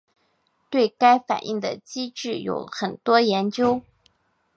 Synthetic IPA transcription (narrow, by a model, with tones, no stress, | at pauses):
t̪we˥˩ɪka˥ɪfa̰˨˩nʔḭ˥˩ŋd̪ə̰˩t͡ɕi˥ʈ͡ʂɻ̩˥˩jo̰˧˥ʊxə˨˩nt̪wɔ˥jɛ˧˥nt͡ɕjo˥ʊ